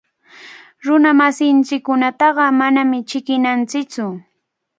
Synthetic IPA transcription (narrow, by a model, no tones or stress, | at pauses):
ɾʊnamasɪnt͡ʃɪkːʊnat̪ɑɢɑmanamɪt͡ʃɪkɪnant͡sɪt͡sʊ